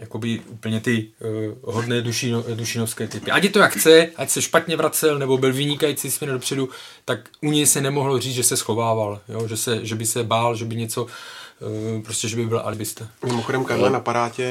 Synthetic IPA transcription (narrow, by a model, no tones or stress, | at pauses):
jako̞bɪuːpl̩ɲɛt̪ɪ | ɦodnɛːduʃinoduʃinofskɛːt̪ɪpɪʔaɟjɛt̪ojakxt͡sɛʔacsɛʃpat̪ɲɛvɾat͡sɛlnɛbo̞bɪlvɪɲɪkajit͡sismɛndopr̝̥ɛdu | t̪ak | ʔuɲɛjsɛnɛmo̞ɦlo̞r̝iːt͡sʒɛsɛsxo̞vaːvaljoʒɛsɛʒɛbɪsɛbaːlʒɛbɪɲɛt͡so̞ | pɾoscɛʒɛbɪbɪl̰ʔa̰lɪbɪst̪amɪmoxodɛmkaʒlɛːnapaɾaːcɛ